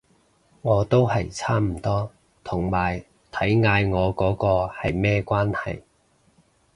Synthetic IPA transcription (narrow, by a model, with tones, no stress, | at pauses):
ŋɔː˨˧t̪o˥whɐ˨jt͡sʰaː˥m̩˨˩t̪ɔː˥ | t̪ʰʊ˨˩ŋmaː˨˩j | t̪ʰɐ˨˥jŋaː˨˧jŋɔː˨˧kɔː˨˥kɔː˧hɐ˨jmɛː˥kʷwaː˥nhɐ̰˨j